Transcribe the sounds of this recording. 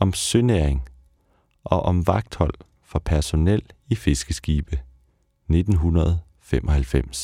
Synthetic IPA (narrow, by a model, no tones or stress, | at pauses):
ɒ̽msøneɐ̰eŋ | ʔɒ̽ʔɒ̽mʋɑ̈ɡ̥̚d̥hɒ̽l̰ | fɒ̽pʰæɐso̝nel̰ife̝sɡ̥əsɡ̥iːb̥ə | ne̝d̥n̩ɦunɐð̞ˠ | femʔɒ̽ɦælfem̰s